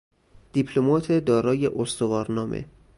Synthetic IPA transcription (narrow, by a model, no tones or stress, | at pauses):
d̪̥ipʰlomɒːt̪ʰed̪ɒːɾɒːje̞ʔost̪ovɒːɾnɒːmʔḛ